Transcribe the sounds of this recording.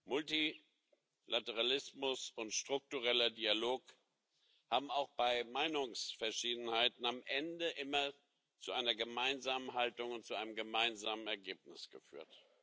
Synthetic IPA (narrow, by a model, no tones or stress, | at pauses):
mʊlti | lʔatəʁ̞alɪsmʊsʊntʃtʁ̥ʊk̚tuʁɛlɐdialoːk | haːbm̩aʊxb̥aɪmaɪnʊŋsfɛɐʃiːdn̩haɪtn̩amʔɛndəʔɪmɐ | t͡suʔaɪnɐɡəmaɪnzaːmənɦaltʊŋʊntt͡suʔaɪnəmɡəmaɪnzaːmənɛɐɡeːp̚nɪsɡ̥əfy̰ːɐt